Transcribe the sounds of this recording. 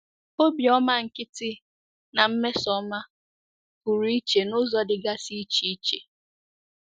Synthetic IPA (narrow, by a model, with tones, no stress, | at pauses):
o˦bi˨ɔ˦ma˦ŋ̩˨kɪ˦tɪ˦ | na˨m̩˦me˦sɔ˦ma˦ | ku˨ɾi˨˦i˦t͡ʃe˨nʊ˦zɔ˦dɪ˨ɡa˦si˦t͡ʃi˦i˦t͡ʃḛ˨